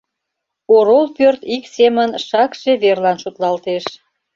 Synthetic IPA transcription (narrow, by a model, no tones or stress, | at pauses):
oɾolpørt̪iksemənʃɑkʃeβerlɑnʃut̪lɑlt̪eʃ